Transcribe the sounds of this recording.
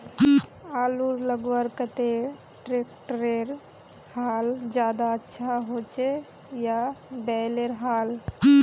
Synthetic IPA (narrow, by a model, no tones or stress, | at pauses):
aːluɾləɡwəɾkət̪e | ʈɾeːk̚ʈɾeɾ | haːld͡ʒjaːd̪aətːʃʰaɦot͡ʃe | jabɛːleɾɦaːl